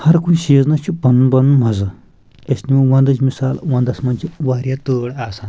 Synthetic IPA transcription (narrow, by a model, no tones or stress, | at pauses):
hɐɾkunʲʃeːznɐt͡ʃʰupɐnunbɐnunmɐzɨ | esnimũʋɐ̃nd̪ɐt͡ʃʰʲmisaːlʋɐ̃nd̪ɐsmɐnt͡ʃʰiʋaːɾʲjaːt̪əːɽaːsaːn